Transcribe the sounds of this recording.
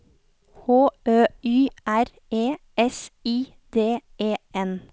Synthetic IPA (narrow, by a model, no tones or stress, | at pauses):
hoːøːyːʔæɾ | eː | ɛsiː | d̪̥eːeːɛn